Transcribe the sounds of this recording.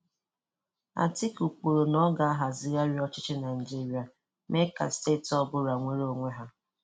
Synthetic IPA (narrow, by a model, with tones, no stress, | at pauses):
a̰˨tɪ˦ku˨k͡po˨ɾo˨nɔ˦ɡa˦a˦ɦa˨zɪ˦ja˦ɾɪ˦ɔ˦t͡ʃɪ˦t͡ʃɪ˦na˨ɪ˨d͡ʒi˦ɾi˨a˨ | me˦ka̰˨ste˦˨tɔ˦bʊ˦ɾa˨ŋʷe˦ɾo˦˨ŋʷe˦ɦa˦